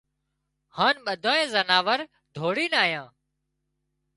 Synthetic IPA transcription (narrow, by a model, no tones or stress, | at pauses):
haːnɓəd̪ʱãːẽːzənaːʋəɾ | d̪ʱoːɽiːnaːɦjãː